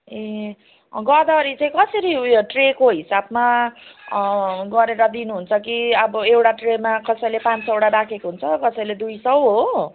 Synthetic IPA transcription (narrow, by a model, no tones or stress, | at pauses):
e | ɡʌd̪aʌɾit͡sãĩkʌsʌɾiʈrekoɦisabma | ɡʌɾeɾʌd̪inuɦunt͡sʰʌkiʌbʌewʈaʈremakʌsʌjlepãnt͡sewɽaɾakʰekoɦunt͡sʰʌkʌsʌjled̪ujsʌwɦo